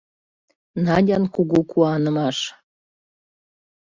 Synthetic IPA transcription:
nɑdʲɑnkuɡukuɑnə̆mɑʃ

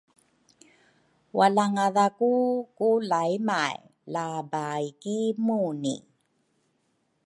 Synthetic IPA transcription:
walaŋaðakukulajmaj | labajkimunḭ

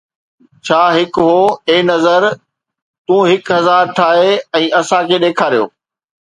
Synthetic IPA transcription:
t͡ɕʰaːɦɪkɦoːeːnɐzəɾ | t̪ũːɦɪkɦɐzaːɾʈʰaːɦeɛ̃ːʔɐsãkʰeːɗeːkʰaːɾijo̰ː

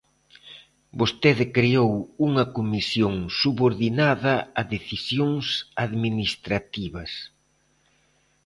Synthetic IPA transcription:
bost̪eðɪkɾeowuŋɐkomisjoŋsuβoɾðinaðɐɐðeθisjoŋsaðminist̪ɾat̪iβɐs

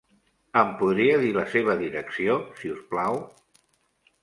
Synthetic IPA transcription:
əmpuðɾiəðiləseβ̞əðiɾəksiosiusplaw

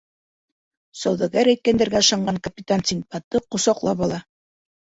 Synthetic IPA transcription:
sɑwðɑɡæɾæjt̪̚kænd̪æɾɡæɤ̆ʃɑɴɢɑŋkɐpʲɪt̪ansʲiŋ̚pɑt̪ːɤqŏsɑqlˠɑpɒlˠɑ

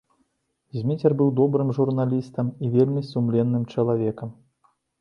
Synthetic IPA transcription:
zʲmʲit͡sʲɛrbɨwd̪ɔbɾɨmʐurnalʲist̪ɐmivʲelʲmʲisumlʲɛnːɨmt͡ʂɐlˠavʲɛkɐm

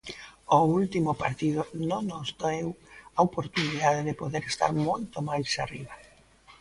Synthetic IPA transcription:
ʊult̪imʊpaɾt̪iðʊnõŋnozd̪ewaopoɾt̪uniðaðeðɪpoðeɾest̪a̰ɾmojt̪omajsariβa

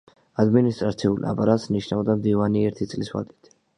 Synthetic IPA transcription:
ad̪minist̪ʼɾat̪sʰiula̰pʼaɾat̪sniʃnavd̪amd̪ivaniɛɾt̪ʰit̪sʼliswa̰d̪i̥t̪ʰ

